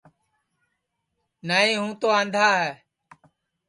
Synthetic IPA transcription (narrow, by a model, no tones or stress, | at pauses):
naːĩːɦũːt̪oːãːnd̪ʱaːɦɛː